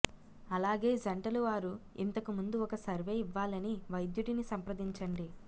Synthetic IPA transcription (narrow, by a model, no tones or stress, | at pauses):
ɐlaːɡe̞ːd͡ʒɐɳʈɐluʋaːɾu | ḭnt̪ɐkumund̪uɔkɐsɐɾʋe̞ːiʋːaːlɐniʋɐjd̪juʈinisɐmpɾɐd̪iɲt͡ʃɐɳɖi